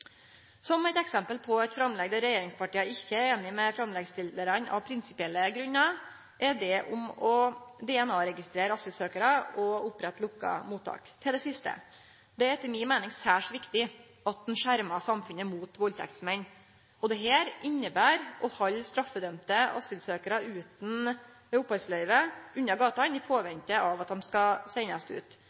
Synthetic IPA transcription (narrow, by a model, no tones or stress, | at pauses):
sɔmɛt̪ɛksɛmpəlpʰɔɛt̪fɾɑmlɛɡd̪əɾɛjeːɾɪŋspɑʈiːəɪçːəeːnɪmɛfɾɑmlɛɡst̪ɪləɾənɑ̰ʋpʰɾɪnsɪpɪɛlːəɡɾʉnːɑ | ʔɛɖɛʔʊ̰mɔd̪ɛɛnɑːɾɛɡɪst̪ɾeːɾɑsʉsøːkəɾəɔʊpɾɛt̪ːlʊkːɑ̰muːt̪ʰːɑ̰ːkt̪ʰɪld̪ɛsɪst̪ə̰ | d̪ɛɛɾt̪ʰɪlmɪnmæɪnɪŋsæːʂʋɪkt̪ɪ | ɑt̪̚d̪ɛnʃʂæɾmɑsɑmfʉnəmuːt̪ʋɔlt̪ʰɛ̰kt̪smɛnː | ɔd̪ɛɦeːɾʔɪnːəbæːɾɔhɑlːst̪ɾɑfːəd̪œmt̪əɑ̰səlsøːkəɾɑʉːt̪n̩ | ʊpːɑlslœɪʋəʉnːɑɡɑːt̪ɑnɪpʰoːʋɛnt̪əɑʋɑt̪̚d̪ɛmskɑsæɪnɑst̪ʉ̰ːt̪